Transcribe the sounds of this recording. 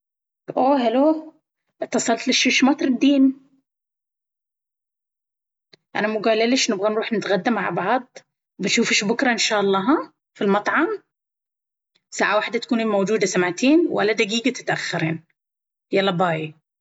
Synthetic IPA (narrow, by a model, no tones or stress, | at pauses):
ʔoːhaloː | ʔɪt̪ːɑsˤɑlt̪lɪʃʊʃmɑt̪ˤɾˤɪd̪ːiːn | ʔa̰namʊɡaːlalɪʃnɪbɣanɾuːħnɪt̪ɣad̪ːamːaʕbɑʕd̪ˤ | bɪnʃuːfɪʃbʊkɾˤɑʔɪnʃaːʔɑlˤːɑːɦɑ | filmɑt̪ˤʕɑm | saːʕawaħd̪at̪akuːniːmowd͡ʒuːd̪asamʕt̪iːnwʔa̰lːad̪aɡiːɡat̪ɪ̥t̪ʔaxːɪɾḭːn | jalɑbɑːji